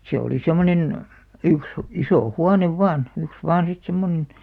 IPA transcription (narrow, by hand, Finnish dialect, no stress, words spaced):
se oli semˑonen yks isoˑ huɑneʋ ʋɑˑn yks ʋɑːn sit semːonĕn